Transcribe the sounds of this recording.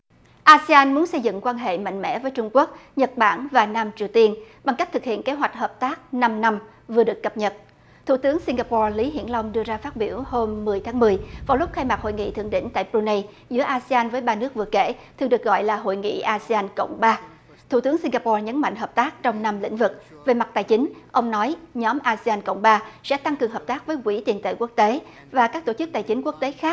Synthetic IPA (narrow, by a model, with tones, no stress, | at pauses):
ʔaː˧si˧aː˧nmu˨˦ənsə˧jzɨ̰˧˨ŋkwaː˧nɦḛ˧˨ma̰˧˨jŋ̟mɛ̰˧˥vəː˨˦jt͡ɕʊ˧ŋ͡mku˦˥ək̚ɲə˨˩t̚ɓa̰ː˧˩nvaː˨˩naː˧mt͡ɕi˨˩əwt̪i˧ənɓa˧ŋka˦˥k̚t̪ɨ˨˩k̚hḭ˧˨ənke˨˦ɦwa˨˩jk̚həː˨˩p̚t̪aː˦˥k̚na˧mna˧m | vɨ˨˩əɗɨ˨˩əkːə˨˩p̚ɲə˨˩t̚ | t̪ʰu˧˩t̪ɨ˨˦əŋsi˧ŋɡaː˧pɔ˧li˨˦ɦḭ˧˨ənla˧wŋ͡mɗɨ˧əzaː˧faː˦˥t̚ɓi˧˩əwho˧mːɨ˨˩əjt̪ʰaː˨˦ŋmɨ˨˩əjvaː˨˩wlʊ˦˥k͡p̚xaː˧jmaː˨˩k̚ho̰˧˨jŋḭ˧˨t̪ʰɨ̰˨˧˩əŋɗḭ˧˥ŋt̪a̰ː˧˨jpɾu˧nə˧j | zɨ̰˧˥əʔaː˧si˧aː˧nvəː˨˦jɓaː˧nɨ˦˥ək̚vɨ˨˩əkḛ˧˩t̪ɨ˨˩ɗɨ˨˩ək̚ɣɔ̰˧˨jlaː˨˩ɦo̰˧˨jŋḭ˧˨ʔaː˧si˧aː˧nkə̰˧˨wŋ͡mɓaː˧ | t̪ʰṵ˨˧˩t̪ɨ˨˦əŋsi˧ŋɣaː˧pɔ˧ɲə˨˦nma̰˧˨jŋ̟ɦəː˨˩p̚t̪aː˦˥k̚t͡ɕɔ˧wŋ͡mna˧mlḭ̈˧˥ŋ̟vɨ˨˩k̚ve˨˩ma˨˩t̚t̪aː˨˩jt͡ɕï˨˦ŋ̟ʔə˧wŋ͡mnɔ˨˦jɲɔ˨˦mʔaː˧si˧aː˧nkə̰˧˨wŋ͡mɓaː˧sɛ̰˧˥t̪a˧ŋkɨ˨˩əŋɦəː˨˩p̚t̪aː˦˥k̚vəː˨˦jkwi˧˥t̪i˨˩ənt̪ḛ˧˩ku˦˥ək̚t̪e˨˦ | vaː˨˩kaː˦˥k̚t̪o˧˩t͡ɕɨ˦˥k̚t̪aː˨˩jt͡ɕï˨˦ŋ̟ku˦˥ək̚t̪e˨˦xaː˦˥k̚